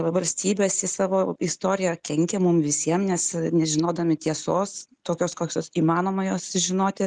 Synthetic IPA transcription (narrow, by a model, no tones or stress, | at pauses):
ʋɐlʲsʲt̪ʲiːbʲeːsɪsɑːʋoːɪst̪oːɾʲɪjɛkʲɛŋʲkʲɛmʊmʋʲɪsʲiɛmnʲɛsnʲɛʒʲɪnoːd̪ɐmʲɪt̪ʲiɛsoːst̪oːkʲoːskoːkʲoːsiːmɑːnoːmɐjoːsʒʲɪnoːt̪ʲɪ